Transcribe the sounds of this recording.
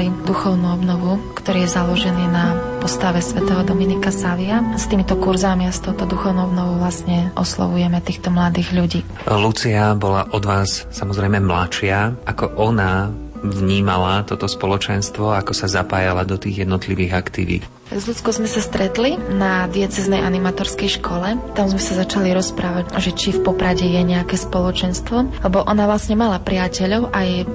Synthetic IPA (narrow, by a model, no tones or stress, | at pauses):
lid̪uxɔʊnuːɔbnɔʋukt̪ɔɾiːjɛzalɔʒɛniːnapɔst̪aʋɛsʋɛt̪ɛɦɔd̪ɔminikasaʋiast̪iːmit̪ɔkuɾzamiast̪ɔʊt̪ɔd̪uxɔʊnuːɔbnɔʋɔʊʋlasɲɛʔɔ̰slɔ̰ʋujɛmɛt̪iːxt̪ɔmlad̪iːɣʎuɟiː | lut͡siabɔlaʔɔd̪ʋaːssamɔzɾɛjmɛmla̰t͡ʃɪaʔakɔʔɔna | vɲiːmalat̪ɔt̪ɔspɔlɔt͡ʃɛnst̪ʋɔakɔsazapaːjalad̪ɔt̪iːɣjɛd̪nɔt̪liʋiːɣakt̪ḭʋḭt̪ | t̪aɡzʎut͡skɔzmɛsast̪ɾɛt̪linad̪iɛt͡sɛznɛjʔanimat̪ɔɾskɛjʃkʰɔlɛt̪amzmɛsazat͡ʃaliɾɔspɾaːʋacʒɛt͡ʃifpɔpɾaɟɛjɛɲɛakɛːspɔlɔt͡ʃɛnst̪ʋɔlɛbɔʔɔnaʋlasɲɛmalapɾɪacɛʎɔʊʔaj